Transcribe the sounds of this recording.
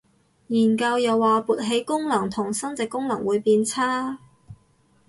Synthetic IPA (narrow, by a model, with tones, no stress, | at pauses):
jiː˨˩nkɐ˧wjɐ˨wːaː˨puː˨t̚ɦe˨˥jkʊ˥ŋlɐ˨˩ŋt̪ʰʊ˨˩ŋsɐ˥nt͡sɛː˨˧kːʊ˥ŋlɐ˨˩ŋwuː˨˧jpiː˧nt͡sʰaː˥